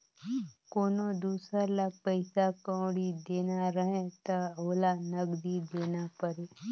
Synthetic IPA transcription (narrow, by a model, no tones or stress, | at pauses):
koːnod̪uːsəɾlapəɪsakə̃ːɽid̪eːnaɾəɦẽt̪əɦoːlanəɡd̪id̪eːnapəɾeː